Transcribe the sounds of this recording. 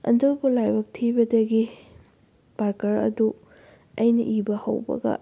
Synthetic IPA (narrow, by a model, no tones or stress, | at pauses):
ɐ̰ndobulajbɐk̚tʰibɐdɐɡi | baɾkɐɾɐ̰du | ɐjnɐʔibɐhɐ̰wbɐ̰ɡɐ̰